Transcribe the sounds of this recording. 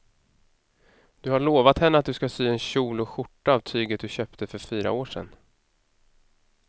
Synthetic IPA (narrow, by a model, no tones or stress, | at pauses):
d̪̥ɵhaɭoːvat̪hɛnːəat̪̚d̪ɵskasyːɛnɕuːlʊɧʊʈːaːvt̪ʰyːɡət̪̚d̪ɵɕœːpt̪əfœɾfyːɾa̰oːʂɛ̰nː